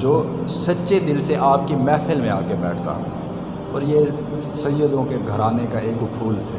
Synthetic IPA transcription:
d͡ʒoː | sɐtːʃed̪ɪlseʔaːp̚kimɛːfʰəlmẽaːkebɛːʈʰt̪a̰ɦɛ | ɔːɾje | sɐjod̪õkeɡʱɐɾaːnekaeːkʊpʰuːlt̪ʰɛː

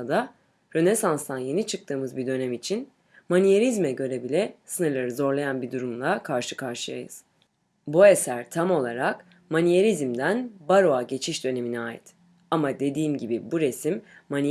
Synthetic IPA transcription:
ad̪a | ɾø̞nesanst̪ʰanje̞nit͡ʃʰɯk̚t̪ʰɯːmɯzbid̪ø̞nɛmit͡ʃʰin | manijeɾizmɛɟø̞ɾebilʲɛsɯnɯɾlˠaɾɯzo̞ɾlˠajanbid̪uɾumlˠakʰaɾʃɯ̥kʰaɾʃɯja̰jɯ̰z̥ | bue̞sæɾt̪ʰamo̞lˠaɾak | manijeɾizmd̪ænbaɾoaɟe̞t͡ʃʰiʃd̪ø̞ne̞miniaːjḭt̪ | amad̪e̞d̪iːmɟibibuɾe̞simːani

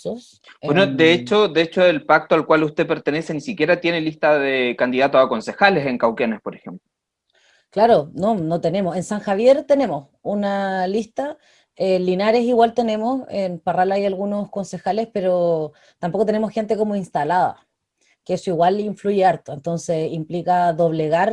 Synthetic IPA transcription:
os | bwenod̪eet͡ʃod̪eet͡ʃoelpak̚t̪oalkwalust̪epe̞ɾt̪enese̞nisikʲjeɾat̪je̞nelist̪aðekand̪iðat̪osako̞nse̞xaleseŋkawkenespoɾexemplo | klaɾononot̪e̞ne̞mosensaŋxaβje̞ɾt̪e̞ne̞mos | unalist̪a | elinaɾe̞siɣwalt̪e̞ne̞mosenparalajalɣuno̞sko̞nse̞xale̞spe̞ɾo | t̪ampokot̪ene̞mosxe̞nt̪ekomoinst̪alaða̰ | keesoiɣwaliɱfluʝeaɾt̪oent̪o̞nse̞simplikaðo̞βleɣaɾ

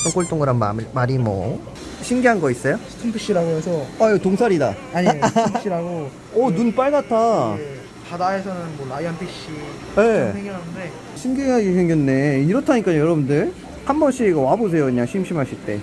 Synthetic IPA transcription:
sʰʌŋk͈oɭt͈oŋɡɯɾanma̰maɾimʌ̰ | ɕʰimɡiɦanɡʌis͈ʌjostʰɯnpʰɯɕ͈iɾaɡoesʰʌajotoŋsʰaɾida̰ | aɲeɕ͈iɾaɡo | ʌnunp͈aɭɡatʰae | padaesʰʌnɯnmʌnaiɦanpʰiɕ͈i | jesʰeŋɡʌnɦanɯnde̞ | ɕʰimɡiɦaɡisʰeŋɡjʌnːe̞iɾʌtʰaɲik͈aɲojʌɾʌbundɯɭ | hambʌnɕ͈iiɡawabos̬ʰe̞joɯɲaŋɕʰimɕ͈ʰimɦaɕʰiɭt͈e̞̰

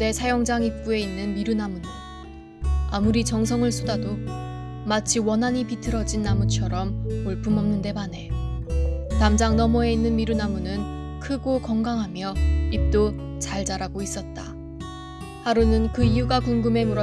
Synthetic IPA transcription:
ne̞sʰajʌŋd͡ʑaŋip̚p͈ue̞inːɯnmiɾunamunɯ | amuɾit͡ɕʌŋs̬ʰʌŋɯɭs͈ʰudado | mat͡ɕʰiwʌnɦaɲipitʰɯɾʌd͡ʑinːamut͡ɕʰʌɾʌmoɭpʰumʌmnɯnde̞mane̞ | tamd͡ʑaŋnʌmʌe̞inːɯnmiɾunamunɯn | kʰɯɡokʌŋɡaŋɦamjʌip̚t͈o | t͡ɕaɭd͡ʑaɾaɡois͈ʌt̚t͈a̰ | haɾunɯnkɯijuɡakuŋɡɯme̞muɾʌ

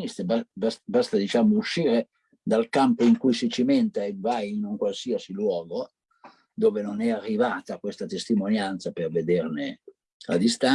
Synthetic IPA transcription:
ist̪ebabasbast̪ad̪it͡ʃaːmouʃːiːɾe | d̪alkampoiŋkujsit͡ʃiment̪aevajinuŋkwalsiasilwɔːɡo | d̪oːvenonɛarːivaːt̪akwest̪at̪est̪imonjant̪saperved̪erne | a̰d̪ist̪a

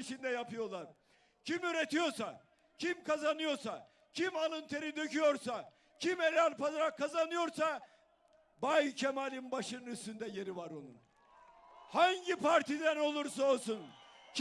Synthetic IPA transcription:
iʃind̪ɛjapɯjo̞lˠaɾ̥ | cʰimyɾet̪ijo̞ɾsa | cʰimkazanɯjo̞ɾsa | cʰimalˠɯnt̪ʰeɾid̪ø̞cyjo̞ɾsa | cʰimelʲalʲpazaɾakʰːazanɯjo̞ɾsa | bajcʰɛmalʲinbaʃɯnɯnyst̪ynd̪ɛje̞ɾivaɾo̞nun | haɲɟipʰaɾt̪ʰid̪æno̞lˠuɾsaolˠsunc

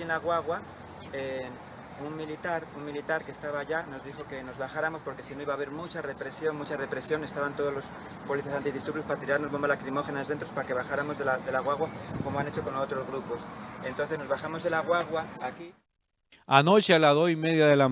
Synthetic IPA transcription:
nlaɣwaɣwa | en | uŋmilit̪aɾuŋmilit̪aɾke̞ːst̪aβaʝano̞zðixo̞ke̞no̞zβaxaɾamo̞spo̞ɾke̞sino̞iβaːβeɾmut͡ʃare̞pɾe̞sjo̞nmut͡ʃare̞pɾe̞sjo̞ne̞st̪aβant̪o̞ðo̞zlo̞s | po̞liθjasant̪iðist̪ɾuɾβjospaat̪iɾaɾno̞zβombalakɾimo̞xe̞nazðet̪ɾo̞spaɾake̞βaxaɾamo̞zðelaðe̞laɣwaɣwako̞moane̞t͡ʃo̞konoot̪ɾo̞zɣɾupo̞se̞nt̪o̞nθe̞zno̞zβaxamo̞zðelaɣwaɣwaːki | ano̞t͡ʃealaðo̞simeðjaðe̞la

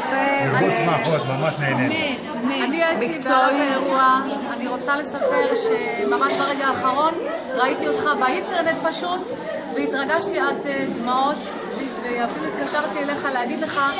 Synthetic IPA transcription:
easmaot̪mamaʃneːne | maniatiivoataeʁuaː | niʁo̞t͡sale̞sape̞ʁʃe̞mamaʃbaʁeɡaːχaʁo̞nʁaitiotχabainteʁne̞t̚paʃut | veitʁaɡaʃtiadedmao̞t̪ | veiveafiluit̪kaʃaʁt̪iele̞χaleaɡidle̞χa

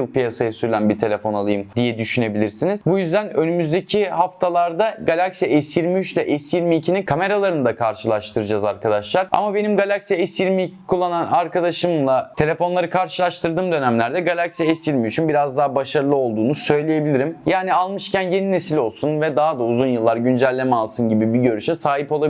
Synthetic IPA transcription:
ɯlˠpijasajasyɾylʲænbiɾt̪ʰe̞lʲe̞fo̞nalˠɯjɯmd̪ijɛd̪yʃyne̞bilʲiɾsiniz̥bujyzd̪ænønymyzd̪ecʰihaft̪ʰalˠaɾd̪aɡalʲaksijaɛsjiɾmiyt͡ʃlʲɛʔɛsjiɾmicʰininkʰame̞ɾalˠaɾɯnɯd̪akʰaɾʃɯlˠaʃt̪ʰɯɾɯd͡ʒazaɾkʰad̪aʃlˠaɾa̰mabenimɡalʲaksijaɛsjiɾmikʰulˠːananaɾkad̪aʃɯmlˠat̪ʰe̞lʲe̞fo̞nlˠaɾɯkʰaɾʃɯlˠaʃt̪ʰɯɾd̪ɯːmd̪ø̞næmlʲæɾd̪ɛɡalʲaksijaɛsiɾmiyt͡ʃʰynbiɾazd̪aɦabaʃaɾɯlˠɯo̞lˠd̪uːnusø̞jlʲije̞bilʲiɾimjaːnialˠmɯʃcʰænje̞nine̞silʲo̞lˠsunvɛd̪aɦad̪auzunjɯlˠːaɾɟynd͡ʒælʲːe̞mɛalˠsɯnɟibibiɟøɾyʃɛsaːɦipo̞lˠab

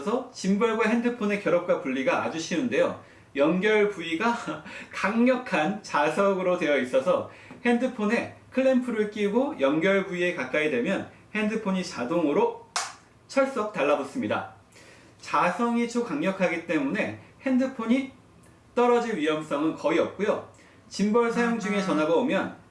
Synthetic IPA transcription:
sʰʌt͡ɕimbʌɭɡwahe̞ndɯpʰone̞kjʌɾʌp̚k͈wapuʎːiɡa̰ːd͡ʑuɕʰinɯnde̞jo | jʌŋɡjʌɭpuiɡakaŋɲʌkʰant͡ɕasʰʌɡɯɾode̞jʌis͈ʌsʰʌ | he̞ndɯpʰone̞kʰɯɭːempʰɯɾɯɭk͈iɡojʌŋɡjʌɭbuie̞kak͈aidwe̞mjʌn | he̞ndɯpʰoɲit͡ɕadoŋɯɾo | t͡ɕʰʌɭs͈ʌk̚t͈aɭːabos͈ɯmɲida̰ | t͡ɕasʰʌŋit͡ɕʰokaŋɲʌkʰaɡit͈e̞mune̞he̞ndɯpʰoɲi | t͈ʌɾʌd͡ʑinɥiʌms͈ʌŋɯnkʌiʌp̚k͈ujo | t͡ɕimbʌɭsʰajoŋd͡ʑuŋe̞t͡ɕʌnɦaɡʌomjʌn

